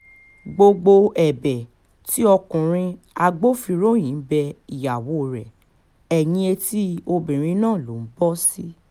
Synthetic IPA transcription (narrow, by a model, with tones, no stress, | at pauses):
ɡ͡bo˧ɡ͡bo˧ɛ˨bɛ˨ | ti˦ɔ˧kũ˨ɾ̃ĩ˧ | a˧ɡ͡bo˦fi˧ɾo˦˨j̃ĩ˨˦bɛ˧i˨ja˨wo˨˦˨ɾɛ˨ | ɛ˨jĩ˧e˧ti˦o˧bĩ˨ɾ̃ĩ˧˦nãː˦˨lo˨˦˨n̩˦bɔ˦si˦